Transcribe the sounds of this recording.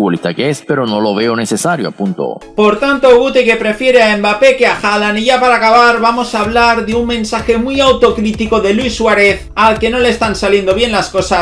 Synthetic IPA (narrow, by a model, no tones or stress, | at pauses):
olit̪akeespeɾono̞lo̞β̞eonesesaɾjoapunt̪o̰po̞ɾt̪ant̪o̞ɣut̪ike̞pɾe̞fje̞ɾeaembape̞keaxalaniʝapaɾakaβ̞aɾβamo̞saːβlaɾðeuŋmẽ̞nsaxe̞mujawt̪o̞kɾit̪iko̞ðe̞lwuisːwaɾe̞θ | alke̞no̞le̞ːst̪ansalje̞nd̪o̞β̞je̞nlasko̞sa